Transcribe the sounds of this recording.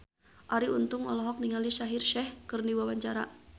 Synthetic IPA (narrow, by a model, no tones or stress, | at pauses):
ʔaɾiunt̪uŋɔ̰lɔɦɔk̚niŋaliʃaɦirʃɛhkɨrniwawaɲt͡ʃaɾa̰